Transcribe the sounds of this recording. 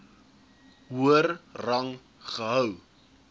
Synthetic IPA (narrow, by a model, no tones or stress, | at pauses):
ɦuərrɐŋ | χəɦœw